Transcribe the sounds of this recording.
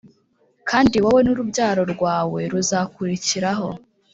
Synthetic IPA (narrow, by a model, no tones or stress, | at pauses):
kʰaːndiwawe̞nuɾubɟaːɾo̞ɾɡwaːwe̞ɾuzakuɾiciɾaɦo̞